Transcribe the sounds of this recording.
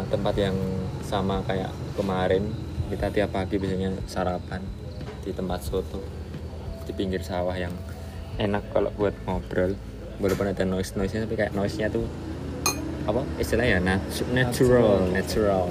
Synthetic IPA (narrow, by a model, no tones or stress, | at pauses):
aŋt̪əmpat̪̚jaŋsamakaja̰ʔkəmaɾɪnbit̪at̪iapaɡibis̬aɲasaɾapan | d̪̥it̪əmpat̪̚sot̪ɔ | d̥ipiŋɡɪrsawahjaŋ | enakːalo̰ʔbuat̪̚mob̥ɾɔl | balopʊnadanoɪsnɔɪsɲasampikaja̰ʔnoɪsɲat̪u | apaist̪ilahjananat͡ʃuɾalnat͡ʃuɾal